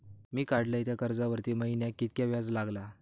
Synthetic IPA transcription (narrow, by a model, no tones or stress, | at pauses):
miːkaɽləjt̪jakəɾd͡zaʋəɾt̪iːməɦinjakit̪kjaʋjad͡zlaɡla